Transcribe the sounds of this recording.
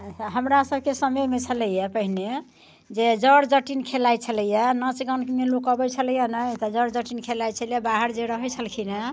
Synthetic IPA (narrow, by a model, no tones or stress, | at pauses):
ɦəmɾasəb̚kesəməmet͡ʃʰələjapəɦine | d͡ʒed͡ʒəɽd͡ʒəʈinkʰelajt͡ʃʰələjanə̃t͡ʃɡənkemelukəbɛt͡ʃʰələjanəjt̪ɔd͡ʒəɾd͡ʒəʈinkʰelajt͡ʃʰəljabaɦəɾd͡ʒeɾəɦət͡ʃʰəlkʰina